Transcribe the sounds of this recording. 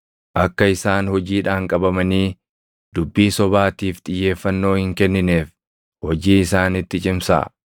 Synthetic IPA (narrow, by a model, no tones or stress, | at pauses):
ʔɐkːɐɪsaːnhɔd͡ʒiːᶑaːŋkʼɐbɐmɐniː | d̪ʊbːiːsɔbaːt̪iːft̪ʼɪjːe̞ːfːɐnːo̞ːhɪŋkɛnːɪne̞ːf | hɔd͡ʒiːɪsaːnɪt̪ːɪt͡ʃʼɪmsɐ̰